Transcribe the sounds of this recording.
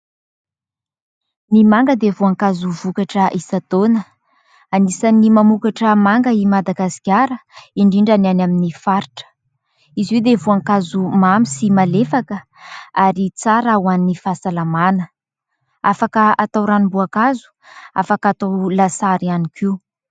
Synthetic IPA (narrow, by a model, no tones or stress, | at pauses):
nimaŋɡəd̪evuaŋkazuvukaʈ͡ʂəʔisat̪onə | anisanimamukaʈ͡ʂəmaŋɡəimad̪aɡasi̥kʲjaɾəiɳɖ͡ʐiɳɖ͡ʐananaminifaɾiʈ͡ʂə̥ | iziewd̪evuaŋkazumamisimalefakə | aɾit͡saɾauanːifasalamanə | afakəat̪awɾanimbuakazu̥a̰fakat̪awlasaɾianikʰiu